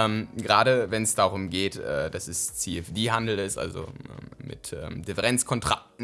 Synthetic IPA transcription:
ɛːmɡəʁaːɾəvɛnsd̥aːʁʊmɡeːtɛ̰ːd̥asɛst͡siɛfd̥iːɦandl̩ɪstʔa̰lzo̰ʔɛ̰ːmmɪ̰tʔɛ̰ːmd̥ɪfəʁɛnt͡skʰɔntʁ̥ak̚tn̩

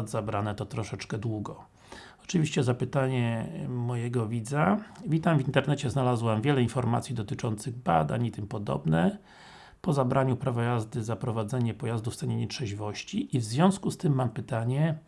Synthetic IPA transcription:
d̪zabɾanɛt̪ɔt̪ɾɔʂɛt͡ʂkɛd̪wuɡɔ | ɔ̥t͡ʂɘvʲiɕt͡ɕɛzapɘt̪aɲɛmɔjɛɡɔvʲid̪zavʲit̪amvʲint̪ɛɾnɛt͡ɕɛznalazwamvʲjɛlɛinfɔɾmat̪sʲid̪ɔt̪ɘt͡ʂɔnt̪sɘɣba̰d̪a̰ɲit̪ɘmpɔd̪ɔ̰bnɛ | pɔzabɾaɲupɾavɔjazd̪ɘzapɾɔvad̪zɛɲɛpɔjazd̪uft̪sɛɲɛɲɛtʂɛʑivɔɕt͡ɕiʔːvzvʲjɔ̃w̃skust̪ɘmːampɘt̪aɲɛ

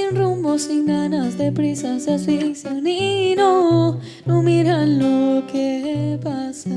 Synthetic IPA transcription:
inrumbosiŋɡanasd̪epɾisasasiŋsjanino | nũmiɾanlokepasa

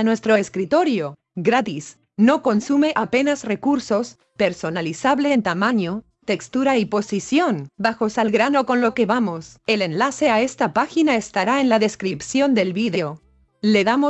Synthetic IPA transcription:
anwe̞st̪ɾoeskɾit̪o̞ɾjo̞ | ɡɾat̪is | no̞konsume̞ʔape̞nazre̞kuɾso̞s | pe̞ɾso̞nalisaβleːnt̪amãɲo̞ | t̪e̞kst̪uɾaipo̞sisjo̞nbaxo̞salɣɾano̞ko̞nlo̞ke̞βamo̞sele̞nlase̞ae̞st̪apaxinaest̪aɾae̞nlaðe̞skɾipsjo̞nd̪e̞lβiðeo | le̞ðamo

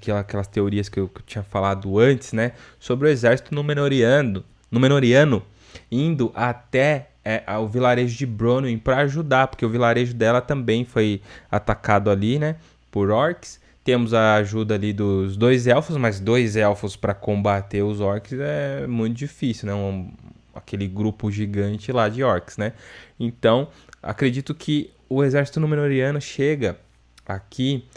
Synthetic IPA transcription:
kɛɐkɛlɐst̪eoɾiɐskɪewkt͡ʃĩɲɐfalad̪ʊɐ̃t͡ʃɪ̥znɛ | sobɾɪʊezɛɾsi̥t̪ʊnʊmenoɾiɐʊ | nʊmẽnoɾiɐ̃nʊ | ĩnd̪ʊʔat̪ɛ | ɛʔʊvilaɾeʒʊd͡ʒɪbɾõnĩpɾɐːʒud̪apoɾkeʊvilaɾeʒʊd̪ɛlɐt̪ɐ̃mbẽj̃fojat̪akad̪ʊalinɛ | poɾɔɾks | t̪ẽmʊzɐːʒud̪ɐːlid̪ʊzd̪ojzɛwfʊsmɐzd̪ojzɛwfʊspɾɐkõbat̪eɾʊzɔɾkɪzɛmũj̃t̪̬ʊd͡ʒifisiwnɛ̃ | a̰kelɪɡɾupʊʒiɡɐ̃nt͡ʃɪlad͡ʒɪɔɾksnɛẽnt̪ɐ̃w̃a̰kɾed͡ʒit̪ʊkʰɪ | ʊezɛɾsi̥t̪ʊnũmenoɾiɐ̃nʊʃeɡɐ | akʰi

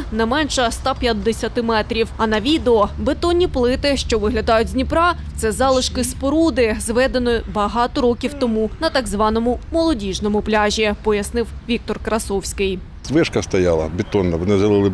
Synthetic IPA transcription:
nɛmɛnʃɐst̪ɑpʲjɐd̪ːesʲɐt̪ɪmɛt̪ɾʲiwɐnɐʋʲid̪eɔbet̪ɔnʲːiplˠɪt̪ɪʃt͡ʃɔʋɪɦlʲɐd̪ɑjʊtʲzʲnʲipɾɑt̪sɛzɑlˠɪʃkɪspɔɾud̪ɪzʋɛd̪enɔbɐɦɑt̪ɔɾɔkʲiwt̪ɔmunɐt̪ɑɡzʋɑnɔmʊmɔlˠɔdʲiʒnɔmʊplʲaʒʲipɔjɐsnɪwʋʲik̚t̪ɔrkɾɐsɔwsʲkɪj | zʋɪʃkɐst̪ɐjɑlˠɐ̰bʲɪt̪ɔnːɐʋɔnɪzʒɐlˠɪlˠɪ

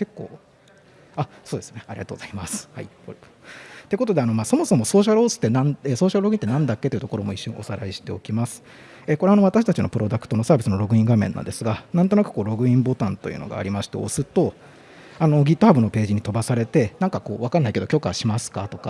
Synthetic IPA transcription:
ke̞kːo̞̰ː | asoːd̪e̞sɨneaɾʲiɡat̪oːɡo̞z̥aimasɨ̥ha̰i | o | t̪eko̞t̪o̞d̪e̞ano̞maːso̞mo̞so̞mo̞so̞ːɕaɾɯosɨ̥t̪ːe̞naeso̞ːɕaɾɯɾo̞ɡɯ̟ĩt̪ːe̞nãnd̪akʲːet̪iɯ̟t̪oko̞ɾo̞mo̞iɕːoɲ̟ḭ̃o̞saɾaiɕi̥t̪e̞okʲimasɨ̥ | ekoɾe̞ano̞βat̪aɕi̥t̪at͡ɕino̞pɯ̟ɾo̞d̪akɯ̟̥t̪o̞no̞saːbʲisɨno̞ɾo̞ɡɯ̟ĩŋɡamẽ̞̰nːã̰nd̪esɨɡanãnt̪o̞nakɯ̟̥ko̞ːɾo̞ɡɯ̟ĩmbo̞t̪ãnt̪o̞̰jɯ̰ːno̞̰ɡa̰ːɾʲimaɕi̥t̪e̞̰o̞̰sɨt̪o̞ | ano̞ɡʲit̪ːo̞habɯ̟no̞pe̞ːʑiɲ̟it̪o̞basaɾe̞t̪e̞nãŋkako̞̰ːβakanːaike̞d̪o̞kʲo̞ːka̰ɕimasɨ̥kat̪o̞ka

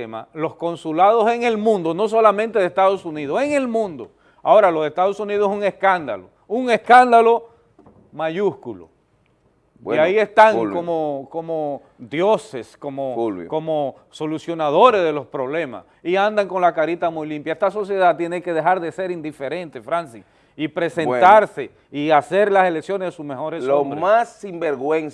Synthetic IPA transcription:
ma̰lo̞sko̞nsulað̞o̞se̞ŋe̞lmũnd̪ono̞s̬o̞lamẽnt̪e̞ðest̪aðosuniðoseŋe̞lmũnd̪o | ao̞ɾalo̞se̞st̪aðo̞suniðoseuŋe̞skand̪a̰lo | uŋe̞skand̪alo̞ | maʝuskulo̰ | aie̞st̪aŋkomoko̞mo | ðjoseskomoko̞mo | so̞lusjonaðo̞ɾezðe̞lo̞spɾo̞βle̞ma̰s | iand̪aŋko̞nlakaɾit̪amujlimpjaest̪aso̞sje̞ðat̪jeneke̞ðe̞xaɾðe̞se̞ɾind̪ife̞ɾe̞nt̪efɾansis | ipɾe̞se̞nt̪aɾse | iase̞ɾlase̞leksjo̞nezðesusme̞xo̞ɾesombɾemasimbeɾɣwen

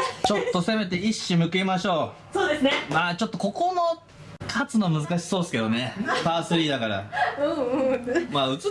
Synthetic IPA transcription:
t͡ɕo̞t̪ːo̞se̞me̞t̪e̞iɕːimɯ̟kemaɕo̞ː | soːd̪esɨnemaːt͡ɕo̞t̪ːo̞ko̞kono | kʰat͡sɨno̞mɯzɨkaɕi̥so̞ːsɨ̥ke̞d̪o̞ne̞paːsɨɾʲiːd̪akaɾa̰ɯ̃ː | maːɯ̟t͡sɨ

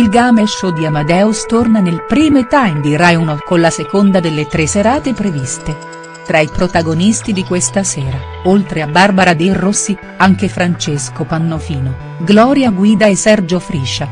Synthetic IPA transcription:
ilɡaːmeʃːod̪iamad̪ɛust̪ornanelpɾiːmot̪ajmd̪iɾajunokolasekond̪ad̪elːet̪ɾeseɾaːt̪epɾevist̪e | t̪ɾaipɾot̪aɡonist̪id̪ikwest̪asɛːɾa | olt̪ɾeabːarbaɾad̪erːosːi | aŋk̟efɾant͡ʃeskopanːofiːno | ɡlɔːɾjaɡwiːd̪aesːɛrd͡ʒofɾiʃːa

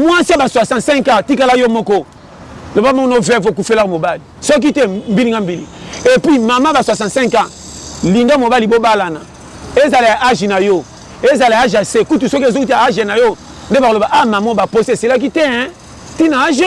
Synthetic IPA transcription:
mwãsiabasasãsɛŋkatikalajɔmɔkɔ | nobamɔnovɛvokufelakmobalisɔk̬itɛm̩biliŋɡam̩bilḭepimamabaswasãsɛ̃ŋka | liŋɡamobalibobalana | ezalajaʔaʒinajɔ | ezalaaaʒiasekutusɔkzout̬iaaʒenajɔ | ndebakolobaʔamamɔbaposiesilak̬itɛ | tinaaʒi

